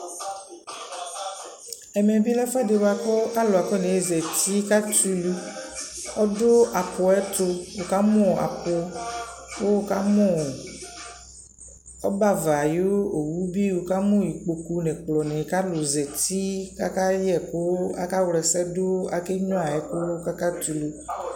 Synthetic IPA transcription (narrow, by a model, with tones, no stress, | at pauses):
ɛ˨mɛ̃˨bi˦lɛ˦fɛ˦de˨wa˨kɔ˦a˦lo˨a˨kɔ˦nɛ̃˨˦zɛ˨t̪i˦ka˦tu˦lu˦ | ɔ˦do˦ʔa˨pɔ˨ɛ˦t̪o˦wo˨ka˦mɔ̃˦a̰˨po˨ | wo˦wo˦ka˦mɔ̃˦˨ | ɔ˦ba˦˨va˨jo˦o˨wu˦bi˦wo˨ka˦mɔ̃˦˨ji˨k͡po˨ku˨nɛ̃˨k͡plɔ˨nɛ̃˨ka˦lo˨zɛ˨t̪i˦ka˦ka˦jɛ˨ko˦a̰˦ka˦wlɛ˨sɛ˦do˦a˨ke˦ɲɔ̃˦a˨ɛ˦ko˦ka˦ka˦t̪u˨lu˨